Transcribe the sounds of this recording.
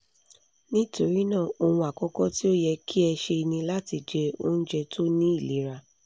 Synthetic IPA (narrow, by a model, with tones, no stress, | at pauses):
nĩ˦to˨ɾi˦nã˦˨o˧hũ˧a˨kɔ˦kɔ˦ti˦o˦jɛ˧kʰi˦ɛ˧ʃe˧i˧nĩ˧la˦ti˧d͡ʒɛ˧o̰˦n̩˦d͡ʒɛ˧tʰo˦nĩ˦i˦˨li˨˦ɾa˧